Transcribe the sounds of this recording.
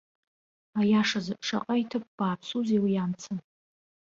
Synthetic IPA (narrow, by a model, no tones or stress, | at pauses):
ajaʂazɨʂa̰qʼaitʰɨp̚b̥aːpʰsuzewijamt͡sʰɨn